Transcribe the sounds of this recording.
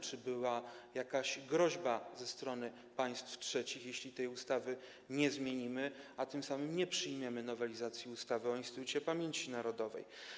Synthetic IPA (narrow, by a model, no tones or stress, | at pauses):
t͡ʂɘbɘwajakaɕɡɾɔʑbazɛst̪ɾɔnɘ | paj̃st̪ftʂɛt͡ɕixjeɕlʲit̪ɛjust̪avɘ | ɲɛzmʲjeɲimɘat̪ɘmsamɘmɲɛpʂɘjmʲjɛmɘnɔvɛlʲizat̪sʲjiust̪avɘɔinst̪ɘt̪ut͡ɕɛpamʲjeɲt͡ɕinaɾɔd̪ɔvɛ̰j